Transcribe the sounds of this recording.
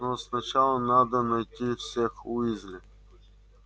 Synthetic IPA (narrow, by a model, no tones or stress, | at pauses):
nosnɐt͡ɕalˠənad̪ənɐjt̪ʲifsʲexuizʲlʲɪ